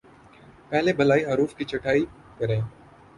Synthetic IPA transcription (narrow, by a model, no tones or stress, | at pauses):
pɛɦlebɐlaːiɦɐɾuːfkit͡ʃɐʈʰaːi | kɐɾẽː